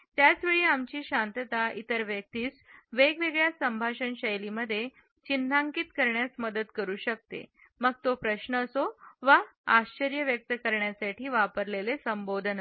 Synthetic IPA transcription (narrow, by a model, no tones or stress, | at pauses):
t̪jat͡sʋeɭiːamt͡ɕiːɕant̪ət̪ait̪əɾʋjək̚t̪iːsʋeɡʋeɡɭjasəmbʱaɕənɕəjliməd̪ʱːje | t͡ɕind̪ʱaŋkiːt̪kəɾɳjasməd̪ət̪kəɾuːɕək̚t̪ḛ | məɡ̚t̪opɾəɕnəːsoʋaaɕt͡ɕəɾjəʋjək̚t̪əkəɾɳjasaʈiːʋapəɾlelesəmbod̪ʱən